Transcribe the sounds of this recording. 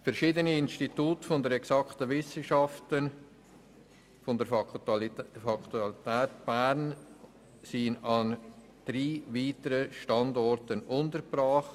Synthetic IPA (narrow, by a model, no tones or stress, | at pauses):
fɛɾʃiːdəniɪnstituːtfɔndəɾɛksɑktəʋɪsəʃɑftən | fɔndə | fɑkt̪ultɛːtb̥æɾn | sinɑn | d̥ɾiːviːtəɾəʃtɑndɔɾtənʊntəɾbɾɑːχt